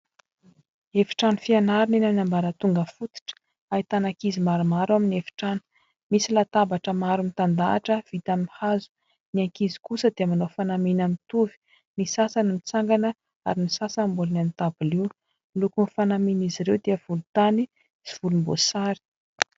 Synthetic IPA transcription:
efi̥ʈ͡ʂanifianaɾinenaminambaɾət̪uŋɡəfut̪i̥ʈ͡ʂə̥ | ait̪anakizimaɾumaɾaminefi̥ʈ͡ʂanu̥ | misilat̪abaʈ͡ʂəmaɾumit̪and̪a̰ːʈ͡ʂəv̥it̪aminhazu̥ | niaŋkizi̥kusəd̪eəmanofanaminamit̪uvi̥ | nisasanimit͡saŋɡanə | aɾinisasambulnanit̪abuliw | ilukunifanaminiziɾewd̪eəv̥ulut̪ani | z̥iv̥ulumbo̰saɾi̥

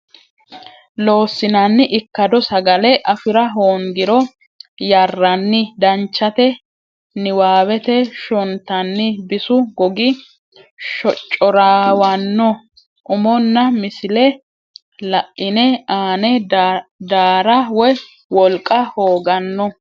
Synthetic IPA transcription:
loːsːɪnɐnːɪʔɪkːɐd̪ɔsɐɡɐlɛʔɐfɪɾɐɦoːŋɡɪɾɔ | jɐrːɐnːɪd̪ɐnt͡ʃːɐt̪ɛ | nɪwaːwɛt̪ɛʃɔnt̪ːɐnːɪbɪsʊɡɔɡɪ | ʃɔt͡ʃʼːɔɾaːwɐnːɔ | ʔʊmɔnːɐmɪsɪlɛ | lɐʔːɪnɛaːnɛ | d̪aːɾɐwɔj | wɔlkʼːɐhoːɡɐnːɔ

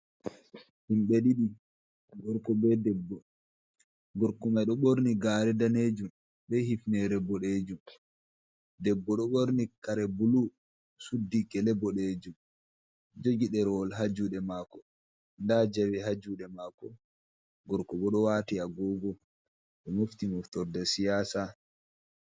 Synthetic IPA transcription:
himɓeɗiɗi | ɡɔɾkɔbɛdɛbːɔ | ɡɔɾkɔmajɗɔɓoɾniɡaːɾɛdaneːd͡ʒum | ɓɛhifnɛɾɛbɔɗeːd͡ʒum | dɛbːɔɗɔɓoɾnikaɾɛbulu | sudːikɛlɛbɔɗeːd͡ʒum | d͡ʒoɡiɗɛɾɔlɦad͡ʒuɗɛmakɔ | ndad͡ʒawiɦad͡ʒuɗɛmakɔ | ɡɔɾkɔbɛɗɔwaːtiaɡɔɡɔ | ɗɛmoft̪imɔftɔɾdɛsijaːsa

